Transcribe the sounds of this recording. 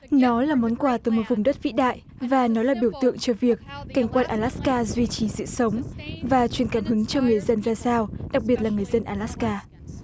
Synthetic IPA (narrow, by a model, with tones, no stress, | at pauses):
nɔ˨˦laː˨˩mɔ˨˦nkwaː˧˩t̪ɨː˧˩jmo˨˩t̚vʊ˨˩ŋ͡mɗə˦˥t̚vḭ˧˥ɗa̰ː˧˨j | vaː˨˩nɔ˨˦laː˨˩ɓi˧˩əwt̪ɨ̰˧˨əŋt͡ɕɔ˧vi˨˩ək̚ːa˧˩jŋ̟kwaː˧nʔaː˧˩laː˦˥skaː˧zwi˧t͡ɕi˨˩sɨ̰˧˨sə˨˦wŋ͡mvaː˨˩t͡ɕwi˨˩ənkaː˧˩nɦɨ˨˦ŋt͡ɕɔ˧ŋɨ˨˩əjzə˧nzaː˧saː˧wɗa˨˩k̚ɓi˨˩ət̚laː˨˩ŋɨ˨˩əjzə˧nʔaː˧˩laː˦˥kaː˧